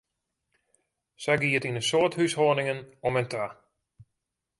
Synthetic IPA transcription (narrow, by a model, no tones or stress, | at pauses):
sɛjɡiətinəsoːthyshoənɪŋənɔməntʰaː